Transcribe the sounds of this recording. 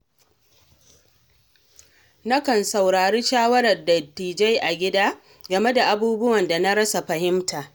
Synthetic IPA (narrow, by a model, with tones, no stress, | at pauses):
na˦kɐ˨nsa˨wɾaː˨ɽiː˦ʃaː˦wɐ˦ɾɐ˨rdɐ˨tːiː˨d͡ʒa˦jʔa˨ɡʲɪ˦daː˦ | ɡɐ˨me˦da˨ʔa˨buː˦bʊ˦wɐ˨nda˨na˦ɾɐ˦sa˨ɸɐ˨hɪ˦mtaː˨